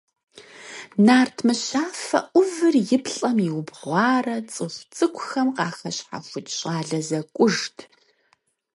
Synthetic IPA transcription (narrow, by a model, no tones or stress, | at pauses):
naːrtʰmɨɕaːfɐ̰ʔʷʊvɨrjɪpʰɬʼɐmɪwʊbʁʷɑːrɐt͡sʼɨχʷt͡sʼɨkʷʰʼʊxɐmqɑːxɐɕħa̰xʷʊtʰɕʼɑːɮɐzɐkʷʼʊʐtʰ